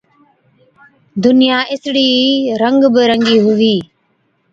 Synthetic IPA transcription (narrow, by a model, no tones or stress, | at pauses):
d̪ʊnɪjaːʔɪsɽiːɾəŋɡbəɾəŋɡiːɦʊʋiː